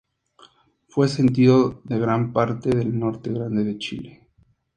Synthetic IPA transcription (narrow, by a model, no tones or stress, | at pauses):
fwe̞se̞nt̪̬iðoðe̞ɣɾampaɾt̪e̞ðelno̞ɾt̪e̞ɣɾand̪e̞ðet͡ʃḭle̥